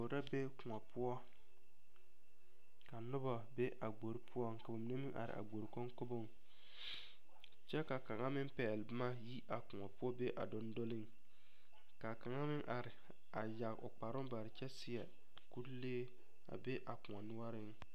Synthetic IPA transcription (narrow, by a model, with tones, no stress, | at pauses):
o˨ɾa˦be˦kʊ˨ŋɔ˨pʊ˦ɔ˦ | ka˨nʊ˦ba˨be˦ʔa˨ɡ͡bo˨ɾi˦pʰʊ˦ɔ˦ŋka˨bo˨mɪ˨ne˦mɪ˦ŋʔa̰˨ɾɪ̰˨ʔa̰˨ɡ͡bo˨ɾko˦ŋko˦bo˦˨ŋ | t͡ʃɛ˦ka˨ka˨ŋa˦mɪ˦m˦pɛː˨lɪ˨bɪ˦ma˦ji˦ʔa˨kʊ˨ŋɔ˨pʊ˦ɔ˦be˦ʔa̰˨dʊ˦ndo˦lɪ˦ŋ | ka˨ka˨ŋa˦mɪ˦ŋʔa˨ɾɪ˨ | a˨ja˨ɣʔʊ̰˨k͡pa˨ɾʊ˦ŋ˦ba˨ɾɪ˨t͡ʃɛ˦sɪ˦ɛ˨ | ku˦leː˦ | a̰˨be˦ʔa˨kʊ˨ŋa˨nʊ˦a˦ɾɪ˦ŋ